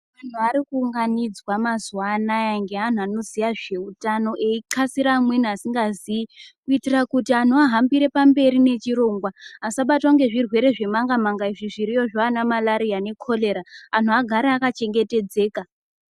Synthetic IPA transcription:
an̤uaɾikuːŋɡanid͡zwamazuanajaŋɡe̞an̤uano̞zijaʐe̞utano̞ʔeiǁasiɾamwe̞niasiŋɡaziikuitirakutian̤uaɦambiɾe̞pambe̞ɾine̞t͡ʃiɾo̞ŋɡwaɦasaɓatwaŋɡe̞ʐirwe̞ɾe̞ʐe̞maŋɡamaŋɡaiʐiʐiɾijo̞ʐaanamalaɾijane̞kʰo̞le̞ɾaːn̤uaɡʱaɾeakat͡ʃe̞ŋɡe̞te̞d͡ze̞ːka

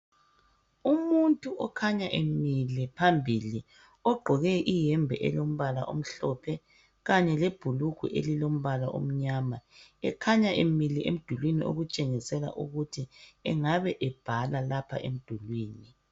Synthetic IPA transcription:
umuntʼuʔɔkʰaɲaʔemilipʰambʱili | ɔɡ͡ǃʱɔɣɛʔijɛmbʱɛʔɛlom̩βala̰ʔo̰m̩ɬɔpʰɛ | ɣaɲɛleb̥ʱuluɡ̥ʱṵʔḛlilom̩βalaʔo̰m̩ɲaːmaɛ̰kʰaɲaʔemiliḛm̩d̥ʱulwiniʔo̰ɣut͡ʃʼeŋisɛla̰ʔuɣutʰiɛŋaβɛʔɛb̥ʱalalapʰa̰ʔem̩d̥ʱulwiːni

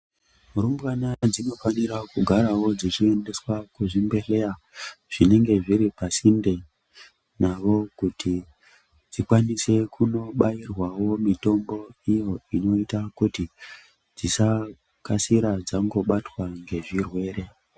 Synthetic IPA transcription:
muɾumbwanad͡zino̞faniɾakuɡʱaɾawo̞d͡zit͡ʃie̞nde̞swakuʐimbe̞ɬe̞ra | ʐ̥ine̞ŋɡe̞ʐiɾipasinde̞ | naʋo̞kutʰi | d͡zikwanise̞kuno̞ɓairwawo̞mito̞mbo̞ijo̞ino̞itakuti | d͡zisa | kasiɾad͡zaŋɡo̞ɓatwaŋɡe̞ʐirwe̞ːɾe̞

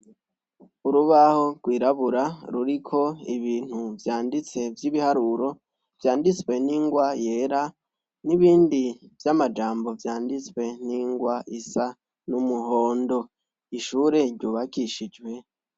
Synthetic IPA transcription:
uɾuβaho̞ɡwiːɾaβuɾaɾuɾikʰo̞iβiːn̥huvjaːndit͡se̞vjiβihaɾuɾo̞ | v̥jaːndit͡swe̞niːŋɡwaje̞ːɾa | niβiːndivjamad͡ʒaːmbo̞vjaːndit͡swe̞niŋɡwaʔisa | numuɦo̞ːndo̞ | iʃuːɾe̞ɾɟuːβakiʃid͡ʒwe̞

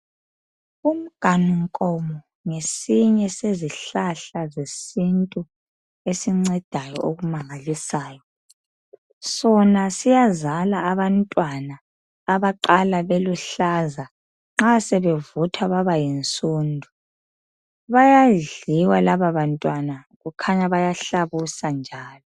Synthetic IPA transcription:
um̩ɡ̥ʱanuŋkʼɔmɔ | ŋesiɲɛseziɬaɬazesintʼu | esiŋ͡ǀɛd̥ʱajɔ̰ʔoɣumaŋalisaːjɔ | sɔnasijazalaːβantʼwanaː | βaǃalaβeluɬaza | ŋ͡ǁasɛβɛvutʰwaβaβajent͡sʼuːndʱu | βajaɮiwalaβaβantʼwanaɣukʰaɲaβajaɬaβusand͡ʒʱaːlɔ

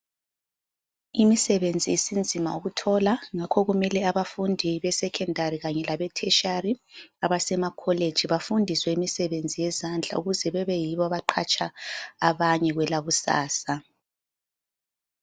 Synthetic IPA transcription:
imisɛβend͡zʱiːsind͡zʱima̰uɣutʰɔlaŋakʰɔɣumɛlɛaβafundʱiβɛsɛkʰɛndʱaɾiɣaɲɛlaβɛtʰɛʃariaβasɛmakʰɔled̥ʒ̥ʱiβafundʱiswɛimisɛβend͡zʱijɛzand͡ɮʱa̰uɣuzɛβɛβɛjiβɔaβaǃʰat͡ʃʼʰaːβaɲɛɣwɛlaɣusa̰ːsa

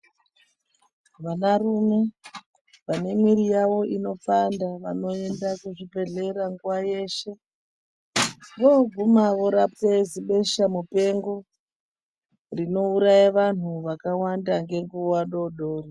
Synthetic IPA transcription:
ʋanarume̞ | ʋane̞mwiɾijaʋo̞ino̞fandaʋa̰no̞e̞ndakuʐipe̞ɮe̞ɾaŋɡuwaje̞ːʃe̞ | ʋo̞vumaʋo̞ɾap̚teziɓe̞ʃamupe̞ŋɡo | rino̞uɾajaʋan̤uʋakawandaŋɡe̞ŋɡuwaɗo̞ɗo̞ːri

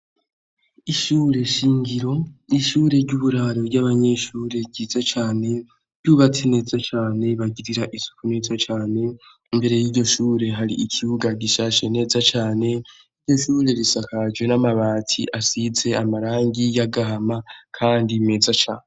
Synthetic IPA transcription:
iʃuːɾe̞ʃiːŋɡiɾo̞iʃuːɾe̞ɾɟuːβuɾaɾoɾɟaβaɲe̞ʃuːɾe̞ɟizat͡ʃaːne̞ | ɟjuβat͡sene̞ːzat͡ʃaːne̞βaɟiɾiɾaʔisu̥kune̞ːzat͡ʃaːne̞ | mbe̞ɾe̞jiːɟo̞ʃuːɾe̞ɦaɾiicʰiβuɡaɟiʃaːʃe̞ne̞ːzat͡ʃaːne̞ | iɾɟo̞ʃuːɾe̞ɾisakad͡ʒwe̞namaβaːtʰḭʔasize̞amaɾaːŋɡijaɡaɦamakʰaːndime̞ːzat͡ʃaːne

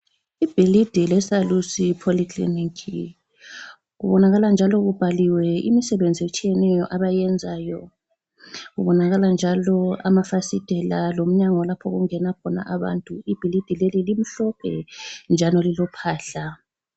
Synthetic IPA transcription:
ib̥ʱilid̥ʱilɛsalusipʰolikʰlḭnikʰi | ɣuβɔnaɣaland͡ʒʱalɔɣub̥ʱaliwɛḭmisɛβend͡zʱiet͡ʃʼijɛnɛjɔʔaβajɛnd͡zʱaːjɔ | ɣuβɔnaɣaland͡ʒʱalɔa̰mafasid̥ʱɛlalom̩ɲaŋɔlapʰɔɣuŋɛnakʰɔna̰ʔaβa̰ntʼuib̥ʱilid̥ʱilelilim̩ɬɔpʰɛ̰nd͡ʒʱalɔlilɔpʰaːɬa

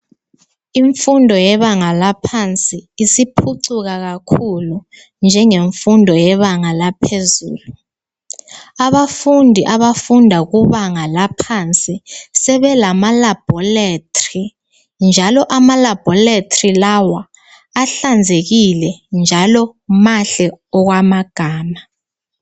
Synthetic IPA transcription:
iɱfundʱɔjɛβaŋalapʰant͡sʼiːsipʰuǀuk̬ak̬akʰulu | nd͡ʒʱɛŋeɱfundʱɔjɛβaŋalapʰezuːlu | aβafundʱiʔaβafundʱak̬uβaŋalapʰant͡sʼisɛβɛlamalab̥ʱɔletʰʼri | nd͡ʒʱalɔʔamalab̥ʱɔletʰʼrilawaː | ɬand͡zʱek̬ilɛnd͡ʒʱalɔmaɬɛɔk̬wamaɡ̥ʱaːma

